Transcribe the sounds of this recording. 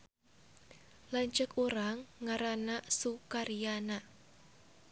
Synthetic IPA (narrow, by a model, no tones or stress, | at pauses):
laɲt͡ʃəkuɾaŋːaɾanasukaɾijana